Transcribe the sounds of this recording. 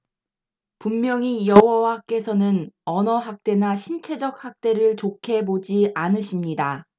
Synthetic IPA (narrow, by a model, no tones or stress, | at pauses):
pumːjʌŋijʌɦwowak͈e̞sʰʌnɯnʌnʌɦak̚t͈e̞naɕʰint͡ɕʰe̞d͡ʑʌk̚hak̚t͈e̞ɾɯɭt͡ɕokʰe̞bod͡ʑiʔanɯɕʰimɲida